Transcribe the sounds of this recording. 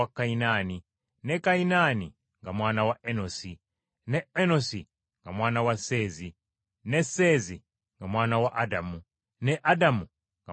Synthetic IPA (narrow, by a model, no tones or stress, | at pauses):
akainani | nekainani | ŋɡamwaːnawaʔenosi | nɛenosi | ŋɡamwaːnawaseːzi | nesezi | ŋɡamwaːnawaʔadamu | neʔadamu | ŋɡa